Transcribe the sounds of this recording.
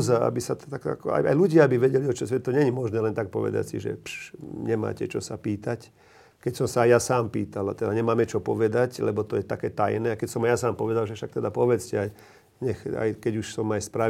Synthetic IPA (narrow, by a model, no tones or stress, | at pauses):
zaa̰bisat̪t̪ak̪a̰kɔa̰ja̰jluɟɪaabiʋɛɟɛliɔt͡ʃɔsʋɛt̪ɔɲɛɲimɔʒnɛːlɛnt̪ak̚pɔ̰ʋɛ̰d̪a̰csḭʒɛ̰pʃɲɛma̰ːcɛt͡ʃɔsapiːt̪ac | kɛcsɔmsaːjasaːmpiːt̪ala̰t̪ɛd̪aɲɛmaːmɛt͡ʃɔpɔʋɛd̪aclɛbɔt̪ɔjɛt̪akɛːt̪ajnɛakɛcsɔmajasaːmpɔʋɛd̪alʒɛfʃak̚t̪ɛd̪apɔʋɛt͡scɛaj | ɲɛxa̰jkɛɟuʃsɔmajspɾa